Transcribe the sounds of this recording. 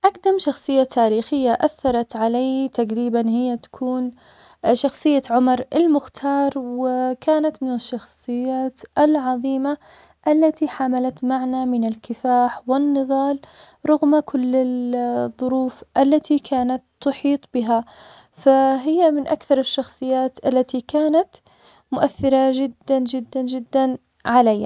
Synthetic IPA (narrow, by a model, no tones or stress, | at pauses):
ʔaqd̪amʃɑxsˤɨjːat̪ʰaːɾiːxɪjːaʔaθːɑɾˤɑt̪ʕaleːt̪aɡɾiːbanhɪjːat̪ḁkʰuːn | ʃɑxsˤɨjːaʕʊmɑɾˤʔɪlmʊxt̪ʰɑːɾˤwɪkaːnat̪mɪnɪʃːɑxsˤɨjːaːt̪ɪlʕɑðˤiːma | ʔalːat̪iħamalat̪maʕnamɪnɪlkɪfaːħwɪnːɨðˤɑːl | ɾˤʊɣmakʊlːɪðˤːʊɾuːfʔalːat̪ʰikʰaːnat̪ːʊħiːt̪ˤbɪɦa | faɦɪjːamɪnʔakθɑɾˤɪʃːɑxsˤɨjːaːt̪ʔalːat̪ikaːnat̪ | mʊʔaθːɪɾˤɑd͡ʒɪd̪ːand͡ʒɪd̪ːand͡ʒɪd̪ːan | ʕalajːa